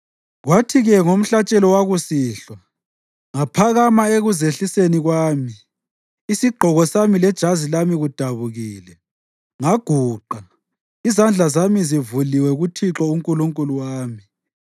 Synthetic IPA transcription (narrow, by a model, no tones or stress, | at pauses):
ɣwatʰiɣɛŋom̩ɬat͡ʃʼɛlɔwaɣusiːɬwa | ŋapʰaɣamaeɣuzeɬiseniɣwaːmiː | siɡ͡ǃʱɔɣɔsamilɛd̥ʒ̥ʱazilamiɣud̥ʱaβuɣiːlɛ | ŋaɡ̥ʱuːǃa | izand͡ɮʱazamizivuliwɛɣutʰiǁɔuŋkʼuluŋkʼuluwaːmi